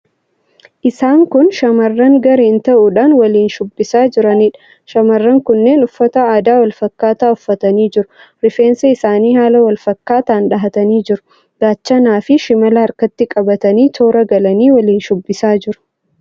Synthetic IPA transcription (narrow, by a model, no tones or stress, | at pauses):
ʔɪsaːŋkʊnʃɐmɐrːɐŋɡɐɾeːnt̪ɐʔʊᶑaːnwɐliːnʃʊbːɪsaːd͡ʒɪɾɐniːᶑɐ̥ | ʃɐmɐrːɐŋkʊnːe̞ːnʊfːɐt̪ɐaːd̪aːwɐlfɐkːaːt̪aːʊfːɐt̪ɐniːd͡ʒɪɾʊɾɪfe̞ːnsɐɪsaːniːhaːlɐwɐlfɐkːaːt̪aːnᶑɐɦɐt̪ɐniːd͡ʒɪɾʊ̥ | ɡ̥aːt͡ʃːɐnaːfɪʃɪmɐlɐɐɾkɐt̪ːɪkʼɐbɐt̪ɐniːt̪ʰo̞ːɾɐɡɐlɐniːwɐliːnʃʊbːɪsaːd͡ʒɪɾʊ̥